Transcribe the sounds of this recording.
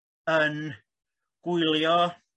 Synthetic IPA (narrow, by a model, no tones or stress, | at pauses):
ən | kuiljɑː